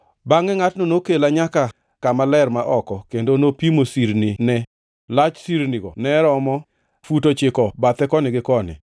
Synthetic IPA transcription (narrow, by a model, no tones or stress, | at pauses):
baŋɛŋatnonokelaɲaka | kamalɛrmaʔɔkɔkendonopimosiɾnɪnɛ | lat͡ʃsiɾnɪɡɔnɛɾɔmɔ | futot͡ʃɪkɔbat̪ɛkɔnɪɡɪkɔnɪ̰